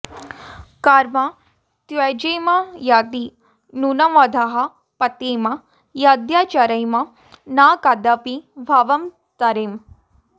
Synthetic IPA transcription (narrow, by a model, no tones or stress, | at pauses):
kaːɾma | t̪ʋɐd͡ʒejmajaːd̪i | nunɐmɐd̪ʱɐɦɐ | pɐt̪eːmɐ | jad̪jaːt͡ʃaɾɐjmɐ | naːkad̪ɐpibʱaʋɐm | t̪ɐɾem